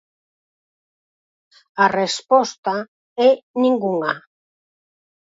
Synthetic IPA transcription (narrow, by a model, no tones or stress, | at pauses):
arespɔst̪a | ɛnĩŋɡuŋa